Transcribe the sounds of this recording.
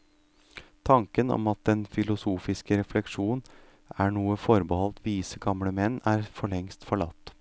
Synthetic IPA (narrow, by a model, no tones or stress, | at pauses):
t̪ʰɑŋkənɔ̰mɑt̪̚d̪ɛnfɪlʊsuːfɪskəɾɛflɛkʂuːn̩ | æɳuːəfɔɾbəhɔlt̪ʋiːsəɡɑmləmɛnːæːɾfɔɭɛŋst̪fɔɭɑ̰t̪ː